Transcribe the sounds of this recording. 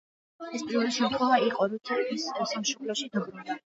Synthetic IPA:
ɛspʼivɛliʃɛmt̪χʰɔvaiqʼɔɾut̪ʰɛbissamʃɔpʰlɛʃid̪aɡɾɛlɛ

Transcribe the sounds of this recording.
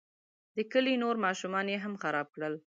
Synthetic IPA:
d̪əkəlinoɾmɑʃumɑnjeɦamxaɾɑb̚kɽəl

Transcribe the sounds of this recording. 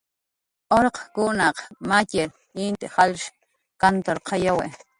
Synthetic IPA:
oɾqkunɑqmaceɾ | int̪eχalʃ | kant̪oɾqʰɑjowḛ

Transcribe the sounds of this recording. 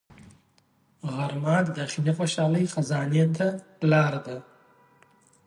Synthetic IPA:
ɣaɾmɑt̪d̪axinixoʃɑːləjxazɑnijant̪alɑːɾad̪a

